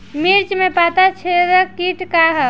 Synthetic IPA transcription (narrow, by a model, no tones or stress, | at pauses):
miɾt͡ʃmepat̪at͡ʃʰeɾəkiʈʰkaɦə